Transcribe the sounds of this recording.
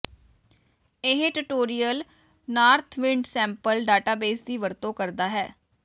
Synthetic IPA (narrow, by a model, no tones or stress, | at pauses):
ɪɦʈʊʈoːɾijəl | naːɾt̪ʰʋɪ̃ɳɖsɛ̃ːmpəlɖaːʈaːbeːsd̪iːʋəɾt̪õːkəɾd̪aːɦɛː